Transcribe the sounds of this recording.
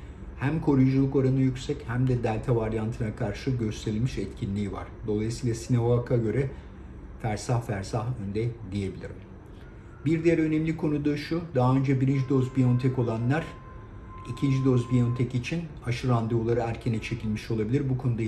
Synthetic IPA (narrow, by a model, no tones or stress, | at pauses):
hæmkʰo̞ɾujud͡ʒulˠuko̞ɾanɯjycʲsɛchæmd̪ɛd̪ælʲt̪ʰavaɾjant̪ʰɯnakʰaɾʃɯɟø̞st̪ʰeɾilʲmiʃɛt̪cʰinlʲiːva̰ɾ̥d̪o̞lˠajisiːlˠasinavaakʰaɟø̞ɾɛ | fæɾsahfæɾsaɦønd̪ɛd̪ije̞bilʲiɾim | biɾd̪ijæɾø̞nɛmlʲikʰo̞nud̪aʃud̪aɦaø̞nd͡ʒɛbiɾind͡ʒid̪o̞zbijo̞nt̪ʰɛko̞lˠanlˠaɾ̥ | icʰind͡ʒid̪o̞zbijont̪ʰɛcit͡ʃʰin | aʃɯɾand̪eulˠaɾɯæɾcʰenɛt͡ʃʰe̞cʰilʲmiʃo̞lˠabilʲiɾbukʰo̞nud̪a